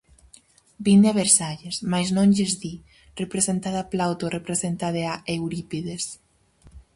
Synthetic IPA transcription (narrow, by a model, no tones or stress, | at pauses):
bind̪eaβeɾsaʎesmajznõŋʎezði | repɾesent̪aðaplawt̪orepɾesent̪aðeaʔewɾipiðes